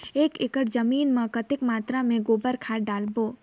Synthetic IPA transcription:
eːkɪkəʈd͡ʒəmiːnmə̃kət̪ɪkmaːt̪ɾamẽɡoːbəɾkʰaːɖaːlboː

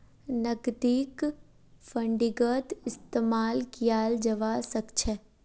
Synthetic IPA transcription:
nɐɡd̪iːk | fɐ̃ɳɖiɡət̪ɪst̪eːmaːlkijaːld͡ʒɐʋaːsɐkt͡ʃʰɛ

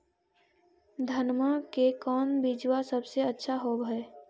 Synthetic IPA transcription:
d̪ʱənmakekɔːnbid͡ʒwasəbseətːʃʰaɦoːbɦɛː

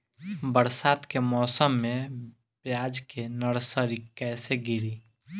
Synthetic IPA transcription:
bəɾsat̪kemɔːsəmːe | pjad͡ʒkenəɾsəɾikɛseɡiɾi

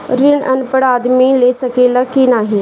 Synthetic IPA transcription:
ɾɪnə̰npəɽaːd̪mileːsɐkeːləkinaːɦi

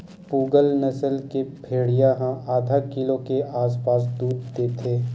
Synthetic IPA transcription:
puːɡəlnəsəlkepʰeːɽijaɦãʔaːd̪ʱakɪlõkeʔaːs̬paːs̬d̪uːd̪d̪et̪ʰeː

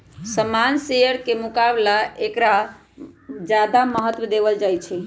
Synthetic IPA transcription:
səmansejəɾkemukablaekɾa | d͡ʒad̪aməɦət̪wəd̪ebəld͡ʒajt͡ʃʰɛ

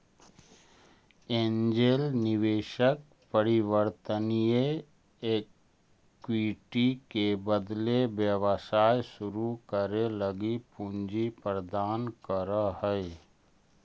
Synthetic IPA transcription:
eːnd͡ʒelnɪʋeːʃək̚ | pəɾɪwəɾt̪ənije | ek | wiʈikebəd̪lebjəwəsaːjsʊɾukəɾeləɡipũnd͡ʒipɾəd̪aːnkəɾahɛ

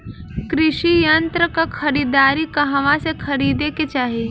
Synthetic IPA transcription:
kɾɪʃijɐnt̪ɾəkakʰɐɾiːd̪aːɾikɐɦãʋãsekʰɐɾiːd̪eket͡ʃaːɦieː

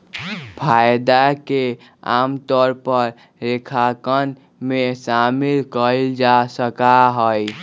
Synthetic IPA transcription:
pʰajd̪ake | a̰mt̪ɔɾpəɾː | ekʰakən | mesamilkəld͡ʒasəkaɦəj

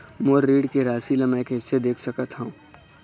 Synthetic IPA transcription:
moːɾɾiːɖkeɾaːsiləmɛ̃kɪsːed̪eːkʰsɐkət̪ɦũː

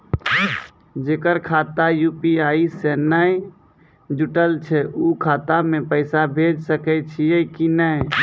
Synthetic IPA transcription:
d͡ʒeːkəɾkʰaːt̪ajuːpiaːisɛnəi | d͡ʒuʈəlt͡ʃʰɛuːkʰaːt̪amẽpəɪsabʱeːd͡ʒsəkɛt͡ʃʰiekinə

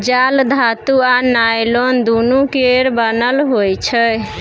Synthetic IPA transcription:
d͡ʒald̪ʱat̪uanajlond̪unukeɾbənəlɦojt͡ʃʰə

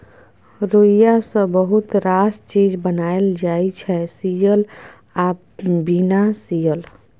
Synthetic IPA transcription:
ɾoijasə̃bəɦut̪ɾast͡ʃid͡ʒbənaeld͡ʒaːit͡ʃʰɛsijəl | a | binasijəl

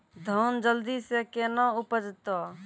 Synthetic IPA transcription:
d̪ʱoːnd͡ʒəld̪isekeːnãʊpəd͡ʒt̪o

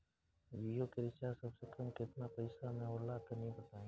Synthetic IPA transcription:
ʋiːjoːkeɾɪt͡ʃasəbsekəmkɪt̪napəɪsamẽoːlaːt̪ənɦĩbət̪aːẽː

